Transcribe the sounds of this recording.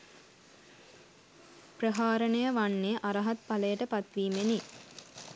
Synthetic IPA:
prəɦaːɾənəjəʋanːeʔaɾɐɦat̪paləjəʈəpat̪ʋiːmeni

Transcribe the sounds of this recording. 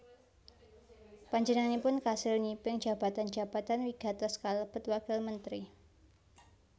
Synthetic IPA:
paɲd͡ʒənanipʊnkasɪlɲipɪŋd͡ʒa̤ba̤t̪and͡ʒa̤bat̪anwiɡ̥a̤t̪əskaləb̥ət̪wakɪlmənt̪ɾi

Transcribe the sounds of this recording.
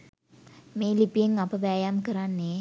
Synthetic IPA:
meːlipijeŋapɐʋæːjamkəɾanːe

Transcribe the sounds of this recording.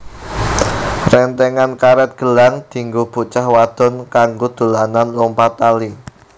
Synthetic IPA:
rɛnt̪ɛŋankaɾɛt̪̚ɡ̥ə̤laŋd̪̥i̤ŋɡuhb̥ut͡ʃahwad̪̥ɔ̤nkaŋɡod̪̥o̤lananlɔmpat̪ali

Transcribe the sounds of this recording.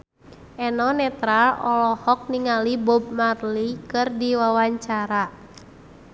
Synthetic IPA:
ʔɛnɔnɛt̪ɾalʔɔlɔhɔk̚niŋalibɔb̚marlikɨrdiwawaɲt͡ʃaɾa

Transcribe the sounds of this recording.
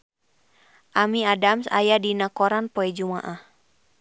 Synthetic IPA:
ʔamiadamsa̰jadinakɔɾanpɔɛd͡ʒuma̰ʔah

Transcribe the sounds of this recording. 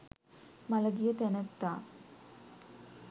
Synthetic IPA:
maləɡijət̪ænət̪ːaː

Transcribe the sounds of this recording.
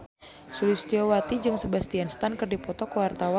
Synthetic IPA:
sulist̪iowat̪id͡ʒɨŋsəbast̪ianst̪ankərdipɔt̪ɔkəwart̪awa

